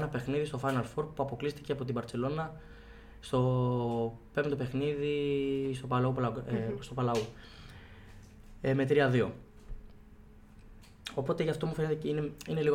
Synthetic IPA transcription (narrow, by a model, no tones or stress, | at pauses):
nɐpe̞xniðist̪o̞fɐjnɐlfo̞ɾpuɐpo̞klist̪i̥ceɐpo̞t̪ibɐɾtse̞lo̞nɐ | st̪o̞ | pe̞mnd̪ope̞xniðist̪opɐlɐuplst̪o̞pɐlɐu | me̞t̪ɾiɐðio̞ | o̞po̞t̪eʝɐft̪o̞mufe̞net̪eineine̞liɣ